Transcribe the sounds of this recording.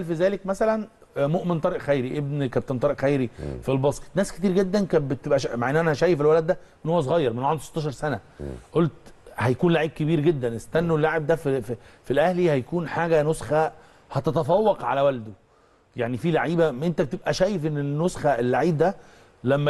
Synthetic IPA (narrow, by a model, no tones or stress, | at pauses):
lfizæːlekmæsælæn | moʔment̪ɑɾeʔxæjɾiʔeb̚nkæb̚t̪ːænt̪ˤɑɾeʔxæjɾifilbɑsˤke̥t̪næːsket̪iːɾɡed̪ːænkæbet̪ebʔæʃmaʕʔenːʔænæhæʃæːjefelwælæd̪ːæmenhowːæs̬oɣɑjːɑɾˤmenwʕand̪st̪ːɑʃɑɾˤsænæ | ʔolt̪hæjækuːnlaʕiːb̚kebiːɾɡed̪ːænʔest̪ænːuelːaʕeb̚d̪æfiifilʔæhlihæjækuːnħaːɡænosxæ | hæt̪æt̪æfɑwːɑqʕa̰læwæld̪o | jaʕnifilaʕiːbæʔent̪æb̚t̪ebʔæʃæːjefʔenːeːosxæelːaʕiːb̚d̪æ | læmːæ